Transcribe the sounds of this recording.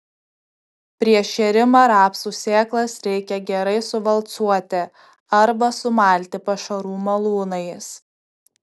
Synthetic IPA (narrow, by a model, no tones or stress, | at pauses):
pʲɾʲiɛʃʲɛɾʲɪmoːɾɑːpsuːsʲeːklˠɐsɾʲɛɪkʲɛɡʲɛɾɐɪsʊʋɐlˠt̪suɔt̪ʲɪ | ɐɾbɐsʊmɑˑlʲt̪ʲɪpɐʃɐɾuːmɐlˠuːnɐɪs